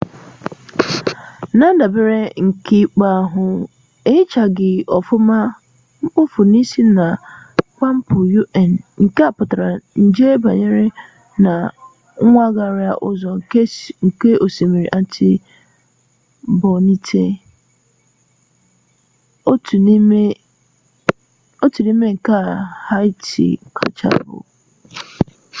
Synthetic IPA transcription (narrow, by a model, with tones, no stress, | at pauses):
nã˦da˨bɪ˦ɾɛ˦ŋ̩˨kʰɪ˦k͡paː˦˨ɦʊ̃˦ | e˦t͡ʃʰa˨ɡɪ˨ɔ˨fʊ˦mã˦ | m̩˦pʊ˦fʊ˨nĩ˦si˦nã˨k͡pã˦m̩˦pʰʊ˨ju˦ʔɛ˨nŋ̩˨ka˦˨pʊ˨tɾa˨n̩˨d͡ʒe˦ba˨ɲɪ˦ɾɪ˦ | nã˨ | ŋ˦ŋʷa˦ɡa˦˨ɾɪ˦a̰˨ʔʊ˨zɔ̃˨ŋ˨ke˦ŋ̩˨ke˦ʔo˨se˨mi˨ɾḭ˨ʔa˦tʰɪ˦ | bɔ˨nĩ˦tʰe˦ | o˦tu˨n˦ | o˦tʰu˨nĩ˦me˦ŋ̩˨ka˦˨ha˦tʰḭ˨kʰa̰˨t͡ʃa̰˦˨bʊ̰˨